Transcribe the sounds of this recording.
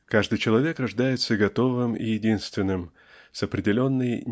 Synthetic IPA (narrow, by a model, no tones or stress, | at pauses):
kaʐd̪ɨjt͡ɕɪlˠɐvʲe̞krɐʐd̪ajɪt̪səɡɐt̪o̞vɨmɪ̰jɪdʲinst̪vʲɪnːɨm | sɐpɾʲɪdʲɪlʲo̞nːəj